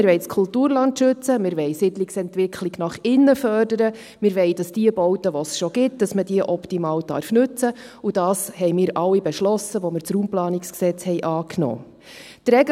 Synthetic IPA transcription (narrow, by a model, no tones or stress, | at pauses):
ɪɾʋɛɪt͡skʰultuːɾlɑntʃʏt͡səmɪɾʋɛɪsɪdlɪksɛntʋɪkʰliɡnɑχɪnːəfœrdəɾə | mɪɾʋɛɪd̥ɑsd̥iəbɔʊtəʋɔsʃɔɡ̥ɪt̚d̥ɑsmədiəʔɔptimɑːwd̥ɑ̰ɾfnʉt͡sə | ud̥ɑːshɛɪmɪːɾʔɑlːibɛʃlɔsəʋɔmɪɾt͡sɾuːmplɑːniksksɛt͡shɛɪʔɑːknɔ̰ː | t̪ɾɛɡ